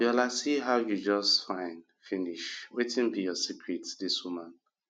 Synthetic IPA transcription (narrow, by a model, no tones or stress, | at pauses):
jalasiɦaʊjud͡ʒʌstfãɪ̃n | finiʃwetĩnbijɔsikʰɹitdiswumãn